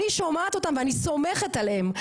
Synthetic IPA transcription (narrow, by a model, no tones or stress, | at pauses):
iʃomat̪o̞t̪amveaniso̞meχet̪alem